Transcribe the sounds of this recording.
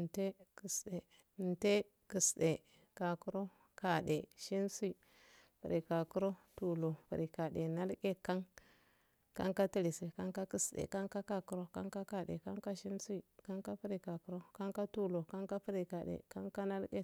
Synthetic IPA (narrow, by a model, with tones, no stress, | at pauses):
nte˦ki˨sɗe˨ | nte˦ | ki˨sɗe˨ | ka˨ku˦ɾo˦ | ka˨ɗe˨ʃi˦nsu˦i˦ | pi˨ɾe˨ka˨ku˦ɾo˦tu˨lo˨pḭ˨ɾi˨ka˨ɗe˨na˦lɡe˦ka˦ŋ | ka̰˦ŋka˦ti˦li˨si˨ka˦ŋka˦ki˦sɗḛ˨ka˦ŋka˦ka˦ku˦ɾo˦ka̰˦ŋka˦ka˦ɗḛ˨ka˦ŋka˦ʃi˦nsu˦i˨ka˦ŋka˦pi˦ɾi˨ka˨ku˦ɾo˦ka˦ŋka˦tu˦lo˨ka˦ŋka˦pi˦ɾi˨ka˨ɗḛ˨ka˦ŋka˦na˦lɡe˦